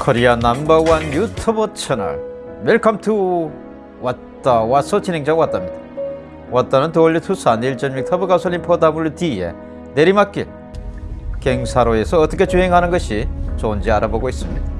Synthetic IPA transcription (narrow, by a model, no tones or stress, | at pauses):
kʰʌɾianambawanjutʰɯbʌt͡ɕʰʌna̰ɭ | weɭkʰamtʰu | wa | t͈awasʰʌt͡ɕinɦe̞ŋd͡ʑaɡwat͈amɲid̥̪ḁ | wat͈ːanɯnt̪oɭːɯtʰusaniɭt͡ɕʌnmik̚tʰʌbɯkasʰʌlimpʰodabuɭtiḛ | neɾimak͈ːe | keŋsʰaɾoesʰʌːt͈ʌkʰet͡ɕuɦeŋɦanɯnɡʌɕʰit͡ɕond͡ʑiaɾaboɡois͈ɯmɲid̥a